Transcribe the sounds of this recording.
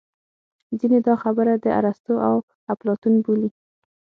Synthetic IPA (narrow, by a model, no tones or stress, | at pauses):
zined̪ɑxabəɾad̪əa̰ɾast̪oʔaw | aplɑt̪unbuli